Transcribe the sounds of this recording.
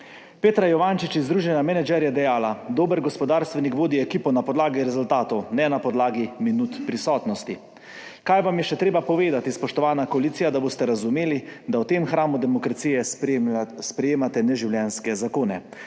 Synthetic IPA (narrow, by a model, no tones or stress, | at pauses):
peːt̪ɾajɔʋaːnt͡ʃit͡ʃizd̪ɾuːʒɛnamɛnɛd͡ʒɛɾjɛd̪ɛjaːlad̪oːbəɾɡɔspɔd̪aːɾst̪ʋɛnikʋoːd̪iɛkiːpɔnapɔd̪laːɡiɾɛzʊlt̪aːt̪ɔwnɛnapɔd̪laːɡiminut̪pɾisɔːt̪nɔst̪i | kaːjʋamjɛʃɛt̪ɾeːbapɔʋeːd̪at̪ispɔʃt̪ɔʋaːnakɔaliːt̪sijad̪aboːst̪ɛɾazumeːlid̪awt̪eːmxɾaːmud̪ɛmɔkɾat̪sijɛ | spɾɛjeːmat̪ɛnɛʒiwljɛnskɛzakoːnɛ